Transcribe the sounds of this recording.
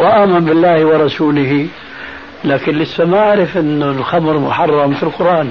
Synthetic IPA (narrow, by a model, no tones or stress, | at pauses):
wɪʔaːmanbɪlːaːhwɪɾˤɑsuːlɪɦi | laːkɪnlɪsːamaʕaɾɪfʔɪnːʊlxamɾmʊħɑrˤːɑmfilqʊɾʔaːn